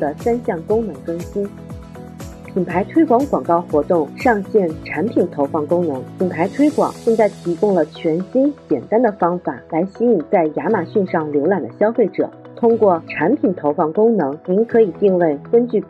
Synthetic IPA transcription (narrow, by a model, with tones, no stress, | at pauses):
d̪ə˩sa˥nɕjɑ˥˩ŋkʊ˥ŋnɤ˧˥ŋkɤ˥ŋɕi˥n | pʰi˨˩npʰa˧˥ɪt̪ʰwe˥ɪkwɑ˧˥ŋkwɑ˨˩ŋkɑ˥˩ʊxwɔ˧˥t̪ʊ˥˧ŋʂɑ˥˧ŋɕjɛ˥˩nʈ͡ʂʰa˧˥npʰi˨˩nt̪ʰo˧˥ʊfɑ˥˩ŋkʊ˥ŋnɤ˧˥ŋpʰi˨˩npʰa˧˥ɪt̪ʰwe˥ɪkwɑ̰˨˩˦ŋʈ͡ʂɤ˥˧ŋt͡sa˥˩ɪt̪ʰi˧˥kʊ˥ŋlə˩t͡ɕʰɥɛ˧˥nɕi˥nt͡ɕjɛ˨˩nt̪a˥nd̪ə˨fɑ˥ŋfa˨˩la˧˥ɪɕi˥i˨˩t͡sa˥˩ɪja˧˥ma˨˩ɕy˥˧nʂɑ˥˩ŋljo˧˥ʊla˨˩nd̪ə˦ɕjɑ˥ʊfe˥˩ɪʈ͡ʂɤ̰˨˩˦ | t̪ʰʊ˥ŋkwɔ˥˩ʈ͡ʂʰa˧˥npʰi˨˩nt̪ʰo˧˥ʊfɑ˥˩ŋkʊ˥ŋnɤ˧˥ŋni˧˥nkʰɤ˧˥i˨˩t̪i˥˧ŋwe˥˩ɪkə˥nt͡ɕy˥˩